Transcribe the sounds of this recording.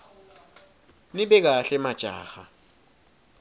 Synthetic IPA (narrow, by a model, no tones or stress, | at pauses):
nɪbɛk̬aɬɛmat͡ʃʼa̰ːχa